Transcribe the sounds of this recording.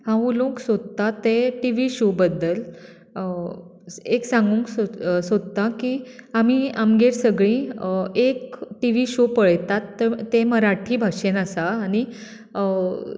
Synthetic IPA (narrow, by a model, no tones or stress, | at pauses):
hãulũksod̪̚t̪at̪ːeʈiʋiɕobəd̪ːəl | eksãŋɡũŋksosod̪t̪ãkiamiamɡeɾsəɡɭĩekʈiʋ̤iɕopəɭt̪at̪ːẽməɾaʈʰiːbʱaɕenasaːñi